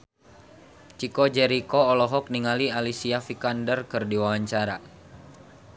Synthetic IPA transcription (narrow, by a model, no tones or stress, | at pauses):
t͡ʃikɔd͡ʒɛɾikɔːlɔɦɔk̚niŋalialisiafikandərkɨrdiwawaɲt͡ʃaɾa